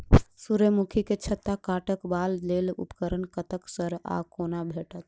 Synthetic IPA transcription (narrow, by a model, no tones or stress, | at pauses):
suɾəmukʰiket͡ʃʰət̪ːakaʈəkballelṵpəkəɾənkət̪əksəɾa̰konabʱeʈət̪